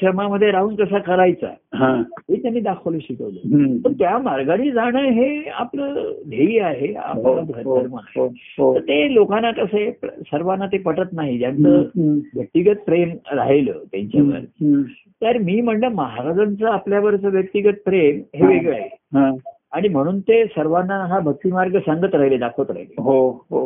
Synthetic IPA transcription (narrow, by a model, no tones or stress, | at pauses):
ʈɾəmaməd̪ʱːjeɾaɦuːnkəsakəɾajt͡sa̰ɦãɦet̪janːiːd̪akʰələɕikəʋlə̰t̪əɾt̪jamaɾɡaɽ̃iːd͡zaɽ̃əɦea̰pləːd̪ʱeiːaɦea̰pəɡʱəɾt̪əɾməna̰ɦ | t̪əɾt̪elokanːakəsepsəɾʋanːat̪epəʈət̪naɦit̪jant͡səːʋjək̚t̪iɡət̪̚pɾemɾa̰ɦelə̰ːt̪jã̰ɲt͡ɕaʋə̰ɾ | t̪aɾmiːm̤əɳɖəməɦaɾad͡zant͡səapljaʋəɾt͡səːʋjək̚t̪iɡət̪̚pɾemɦeʋeɡɭeɦ | aɽ̃im̤əɽ̃uːnt̪esəɾʋanːaɦabʱək̚t̪iːmaɾɡəsãŋɡət̪ɾaɦiled̪akʰət̪ɾa̰ɦileɦoɦo